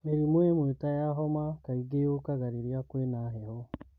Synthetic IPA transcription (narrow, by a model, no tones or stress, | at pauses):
meɾimwemwetajaɦomakaiɡejokaɣaɾiɾjakwenaɦeho